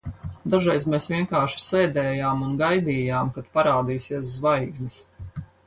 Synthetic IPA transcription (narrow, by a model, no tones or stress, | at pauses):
d̪aʒɛjzmeːsvʲiɛŋkaːɾʃi̥sɛjd̪ɛːjaːmunɡajd̪iːjaːmkat̪paɾaːd̪iːsiəs̬zvajɡznʲis